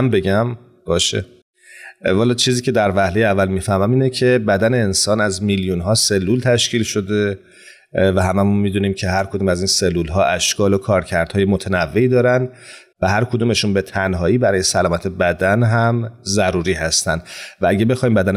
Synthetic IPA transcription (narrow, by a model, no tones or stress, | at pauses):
mbe̞ɟæm | b̥ɒːʃḛ | hɒːlɒt͡ʃʰiːziːcʰe̞d̪æɾvæhle̞jeævːælmiːfæhmæmiːnecʰe̞bæd̪æne̞ːnsɒːnæzmiljunɦɒːse̞lːuːlt̪ʰæʃciːlʃo̞d̪e̞ | væɦæmæmunmid̪uniːmcʰe̞ɦæɾkʰod̪uːmæziːnse̞lːulɦɒːʔæʃkɒːlo̞kʰɒːɾcʰæɾd̪̥hɒːjemot̪ʰænævːe̞iːd̪ɒːɾænd | væɦæɾkʰo̞d̪uːme̞ʃunbe̞t̪ʰænɦɒːiːbæɾɒːje̞sælɒːmæt̪ʰe̞bæd̪ænɦæmzæɾuːɾiːɦæst̪ænd̪vææɟebe̞xɒhiːmbæd̪æn